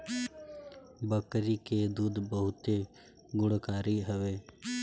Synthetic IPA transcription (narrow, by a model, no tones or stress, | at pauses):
bəkɾiːked̪uːd̪bəɦʊt̪e | ɡʊɽkaːɾiɦəʋeː